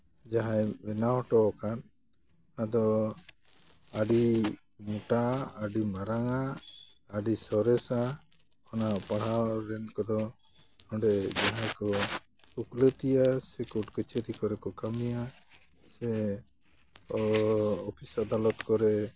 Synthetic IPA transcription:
d͡ʒaɦajbɛnaɔʈɔkan | nad̪ɔ | aɖi | muʈaːɖimaɾaŋaː | ɖisɔɾɛsa | ɔnapaɽ̤awɾɛnkɔd̪ɔ | ɔɳɖɛd͡ʒaɦãjkɔ | uklət̪ijasɛkuʈkət͡ʃeɾikɔɾɛkɔkamija | sɛ | ɔɔpʰisad̪alɔt̪kɔɾɛ

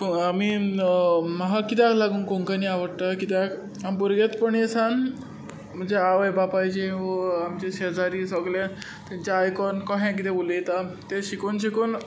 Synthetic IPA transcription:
pami | məɦakit̪̬ãklaɡuːnkoŋkaniaʋəɽt̪akit̪ak | ampuɾɡet̪pəɳjesãn | m̤əɳd͡zeaʋəjbapajd͡ʑeʋəamt͡ɕeɕed͡zaɾisəɡle | t̪aɲt͡ɕaːjkɔnkɔɦẽk̬it̪ẽbulejt̪at̪eɕikuːnɕikuːn

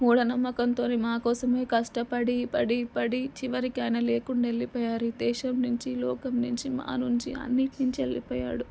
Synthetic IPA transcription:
muːɽɐnɐmːɐkɐnt̪o̞ːnimaːkɔːsɐme̞ːkɐʂʈɐpɐɽipɐɽipɐɽit͡ʃiʋɐɾikɐjnɐleːkuɳɖaelːipɔːjaːɾid̪ɛːʃɐmnuɲt͡ʃilɔːkɐmnuɲt͡ʃima̰ːnuɲt͡ʃiɐ̰nːiʈnuɲt͡ʃielːipɔːja̰ːɽu

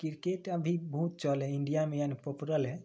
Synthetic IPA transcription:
kiɾkeʈəbʱibɔɦt̪̚t͡ʃɔlɛiɳɖijamejanipopuɾəlɦɛ

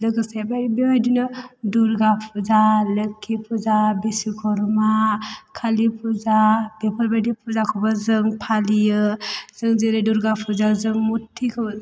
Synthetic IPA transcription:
lɯɡɯsebaɾibiajdinɯduɾɡapʰuzaləkʰːipʰuzabesikʰɔɾmakʰalipʰuzab̥epʰɔɾbadipʰuzakʰɔbazɯŋpʰalijɯz̥ɯŋziɾeduɾɡapʰuzazɯŋmutʰːikʰɔb

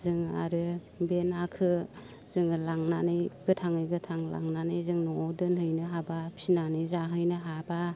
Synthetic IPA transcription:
zɯŋa̰ɾɯ | benakʰɯ | zɯŋlaŋnanɯjɡ̥ɯtʰaŋɯjɡɯtʰaŋla̰ŋnanɯjzɯŋnɔdɯnhɯjnɯɦabapʰinanɯjzaɦɯjnɯɦaba

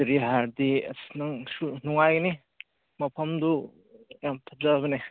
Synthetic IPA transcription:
ɾiɦaɾd̪iɐ̰snaŋsunuŋajɡɐni | mɐpʰɐmd̪u | jamt̪ʰap̚zabɐne

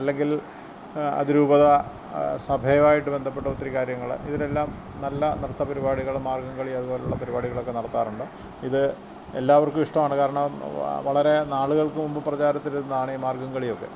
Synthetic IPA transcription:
ɐlːe̞ŋɡil | ɐ̰ðiɾuːbɐðɐ | sɐbʱɐjɐʋaːjiʈːɨbe̞nd̪ʱɐpːe̞ʈːɐut̪ːrikaːɾjɐŋːɐɭ̰iðile̞lːaːm | nɐlːɐnrɨt̪ːɐpɐɾibaːɽiɣɐɭmaːrɡɐŋɡɐɭiɐðubo̞ːleuɭːɐpɐɾibaːɽiɣɐɭo̞kːenɐɽɐt̪ːaːruɳɖɨ | iðɨ | ḛlːaːʋɐrkumiʂʈɐmaːɳɨkaːɾɐɳɐmʋɐɭɐɾe̞naːɭuɣɐɭkɨmumbɨprɐt͡ɕaːɾɐt̪ːilunːɐðaːɳimaːrɡɐŋɡɐɭijo̞kːe̞̰

